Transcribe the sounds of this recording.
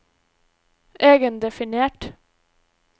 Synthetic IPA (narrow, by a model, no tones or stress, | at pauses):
ʔeːɡənd̪ɛfɪneːʈ